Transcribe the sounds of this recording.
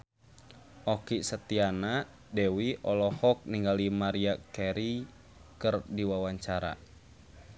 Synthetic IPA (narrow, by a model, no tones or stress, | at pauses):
ɔkisət̪iana | dɛwiʔɔlɔhɔk̚niŋɡalimaɾiakɛɾi | kɨrdiwawaɲt͡ʃaɾa̰